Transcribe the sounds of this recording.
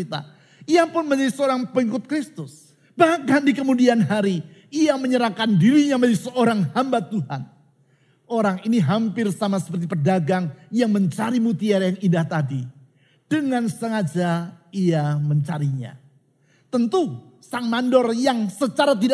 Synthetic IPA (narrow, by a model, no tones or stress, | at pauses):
it̪a̰ | iapʊnməɲd͡ʒadisəoɾaŋpəikʊt̪̚kɾɪst̪ʊs | bahkandikəmudianɦaɾiiaməɲəɾahkandiɾiɲaməɲd͡ʒadisəoɾaŋhambat̪uɦan | oɾaŋiniɦampɪrsamasə̥pərt̪ipərdaɡaŋjaŋməɲt͡ʃaɾimut̪iaɾajaŋindaht̪adi | d̥əŋansəŋad͡ʒaiaməɲt͡ʃaɾiɲa̰ | t̪ənt̪u | saŋmandɔrjaŋsət͡ʃaɾat̪̬ida